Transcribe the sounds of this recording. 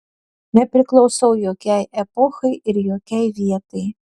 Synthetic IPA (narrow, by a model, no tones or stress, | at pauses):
nɛpɾɪklˠɔwsɔwjɔkʲɛjepɔxɐjiɾjɔkʲɛjʋʲiɛt̪ɨj